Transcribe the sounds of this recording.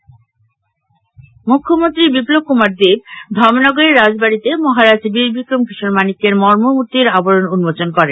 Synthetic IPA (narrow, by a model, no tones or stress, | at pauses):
mukʰːomont̪ɾibiplob̚kumaɾd̪ibd̪ʱɔɾmnɔɡoɾeɾːad͡ʑbaɾit̪emɔɦaɾad͡ʑbiɾbʱikɾoŋpiʃoɾmanikeɾmɔɾmomut̪ːiɾaboɾonunmot͡ɕonkɔɾen